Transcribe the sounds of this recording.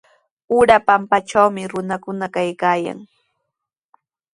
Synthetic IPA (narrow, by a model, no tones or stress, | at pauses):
ʊɾapampat͡ʃawmɪɾʊnakʊnakajkaːja̰ŋ